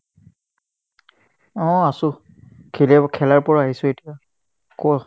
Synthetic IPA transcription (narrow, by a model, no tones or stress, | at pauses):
ɔ̃asʊ̃ | kʰilɛkʰɛlaɹpɔɹaɦisʊ̃etija | kɔ